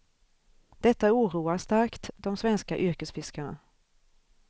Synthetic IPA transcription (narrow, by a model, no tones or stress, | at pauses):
d̪̥ɛt̪ːauːɾuːast̪aɾkt̪d̪ɔmsvɛnskaʔʏɾkəsfɪskaɳa̰